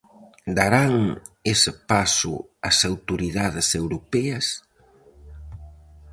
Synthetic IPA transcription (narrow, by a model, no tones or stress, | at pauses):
d̪aɾaŋesɪpasʊ̰asawt̪oɾiðaðɪsewɾopɛɐs